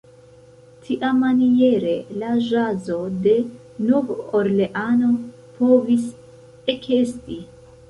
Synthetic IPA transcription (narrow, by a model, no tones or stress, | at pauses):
tʰiʔamːanie̞ɾe̞laʒazo̞de̞ | novoɾle̞ʔano̞ | pʰo̞vis | ekʰe̞sti